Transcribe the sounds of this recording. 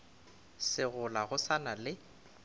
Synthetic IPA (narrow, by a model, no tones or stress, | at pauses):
sɪɣʊlaɣʊsanalɪ